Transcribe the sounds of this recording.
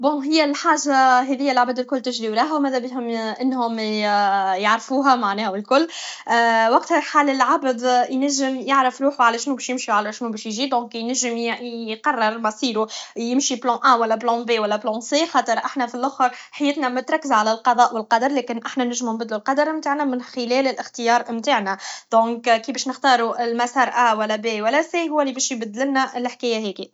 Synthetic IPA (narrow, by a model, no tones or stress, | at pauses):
bõɦɪjːælħaːʒaɦɛðɪjːælʕabd̪ɪlkʊlːt̪ɪʒɾiwɾˤɑːɦæwmæːðæbiɦʊmʔɪnːhʊm | jaʕɾfuːɦæmaʕnɛːhæwɪlkʊlː | wɑq̚t̪hæħaːlɪlʕabd̪jnæʒːɪmjɪʕɾəfɾuːħwʕalæʃnuːbɛːʃjɪmʃuʕalæʃnuːbɛːʃjʒiːd̪ɔ̃ːkjnæʒːɪmqɑrˤːɑɾˤmæsˤiːɾujɪmʃiblɑ̃ʔæwælːæblɑ̃bewælːæblɑ̃sexɑːt̪ˤəɾˤʔaħnæfilʔʊxɑɾˤħajːɪt̪næmʊt̪ɾˤɑkːəzʕalælqɑðˤɑːʔwɪlqɑd̪ɑɾˤlɛːkɪnʔaħnænɪʒːmnbɪd̪lulqɑd̪ɑɾˤmt̪aːʕnæmɪnxɪlɛːlɪlʔɪxt̪ɪjɑːɾˤmt̪aːʕnæd̪̥ɔ̃ːkkibɛːʃnɪxt̪ɑːɾuɪlmæsɑːɾˤʔæwælːæbewælːæsehʊwːælːibɛːʃjbɪd̪ːlɪlnæʔɪlħkæːjæɦɛːki